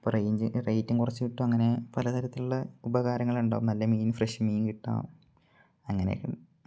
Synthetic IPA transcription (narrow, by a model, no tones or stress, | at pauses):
prɐjiɲd͡ʑrɐjtːuŋkurɐt͡ɕːɨʋiʈːuɐŋːɐne̞pɐlɐt̪ɐɾɐt̪ːiluɭːɐubɐɣaːɾɐŋːɐɭuɳɖa̰ːʋumnɐlːɐmiːnɨfreʂmiːŋkiʈːa̰ːo̰ | ɐŋːɐnḛkːem